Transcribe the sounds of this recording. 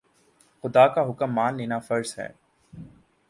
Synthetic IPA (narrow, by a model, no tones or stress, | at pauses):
xʊd̪akaɦʊkəmːaːnleːnafɐɾsɦɛ̰ː